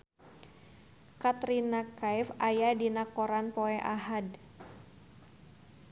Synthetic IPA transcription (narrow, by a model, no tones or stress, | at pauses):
kat̪ɾinakaifajadinakɔɾanpɔɛʔaɦad